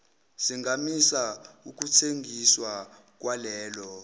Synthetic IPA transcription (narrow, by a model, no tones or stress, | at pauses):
siŋɡʱamisauk̬ut͡sʰeŋɡʱiswa | k̬walɛːlɔ